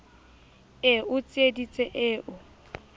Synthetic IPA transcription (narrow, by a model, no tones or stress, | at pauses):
ɪʊt͡sʼɪedit͡sʼeʔɪːʔʊ